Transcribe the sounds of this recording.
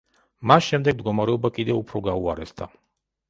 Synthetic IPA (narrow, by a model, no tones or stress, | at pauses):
masʃɛmd̪ɛɡ̚md̪̚ɡɔmaɾɛɔbakʼid̪ɛupʰɾɔɡauaɾɛsd̪ʰa